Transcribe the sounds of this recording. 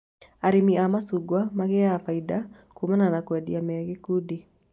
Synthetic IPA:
aɾimiamasuɡwamaɣɛafaida | kumananakwɛdiamɛɣekudi

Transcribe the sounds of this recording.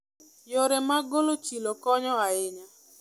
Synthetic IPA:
joɾemaɡolot͡ʃilokɔɲɔaɪɲa

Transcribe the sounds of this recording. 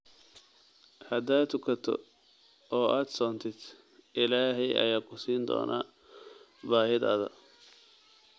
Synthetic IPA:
hɐd̪aːt̪ʊkʰɐt̪ʰɔ̰ | ɔːʔaːd̪sɔːnt̪ʰɪd̪ | ʔɪlaːɦɛjʔɐ̰jaːkʰʊsiːnd̪ɔ̰ːnʔa̰ | baːɦɪd̪ɐ̰ðɐ̰

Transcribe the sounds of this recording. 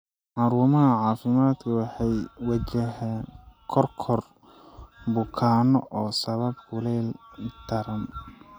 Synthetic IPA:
ʕɑɾuːmɐɦɐʕɑːfɪmaːd̪kʰɐwɑħɑjwɑt͡ʃɐɦɛːnkʰɔrkʰɔr | bʊkʰaːnɔʔɔːsɐβɐbkʰʊlɛːlt̪ʰɐɾɐn

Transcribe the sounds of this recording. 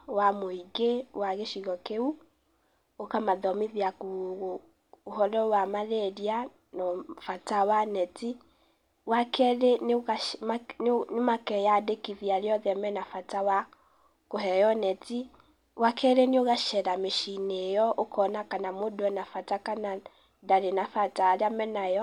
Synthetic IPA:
wamoiɡewaɣeʃiɣɔkeu | okamaðɔmiðiakoɣ | oɦɔɾɔwamaɾɛɾia | nɔfatawanɛti | wakɛɾenamanmakɛjadekiðiaɾeɔðɛmɛnafatawa | koɦɛjɔnɛti | wakɛɾeneoɣaʃɛɾameʃinejɔʔokɔnakanamodɛnafatakana | daɾenafataɾeamɛnajɔ

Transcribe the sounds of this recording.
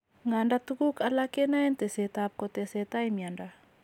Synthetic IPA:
ŋandat̪ukukalakenajnt̪eset̪ap̚kot̪eset̪ajmianda

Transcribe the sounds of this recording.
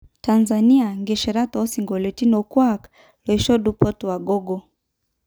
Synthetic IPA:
tanzaniaŋɡɛʃɛɾatɔɔsiŋɡɔlɛtinɔkwak | lɔiʃɔɗupɔtuwaɡɔɡɔ

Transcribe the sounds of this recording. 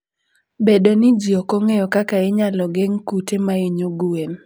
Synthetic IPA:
bedonɪd͡ʒiokoŋejɔkakaɪɲalɔɡeŋkutemaeɲoɡuem

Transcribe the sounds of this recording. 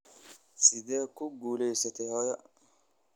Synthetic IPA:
sid̪ɛːkuɡuːlɛjsɐt̪ɛhɔjɐ

